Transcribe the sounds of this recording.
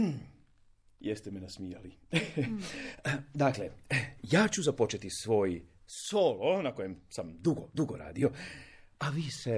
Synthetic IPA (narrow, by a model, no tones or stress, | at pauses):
jest̪emenasmija̰li | d̪aklejaːt͡ɕuzapo̞t͡ʃe̞t̪isʋo̞ːji | soːlonako̞jemsamd̪uɡod̪uɡoɾa̰ːd̪io̞ | aʋiːse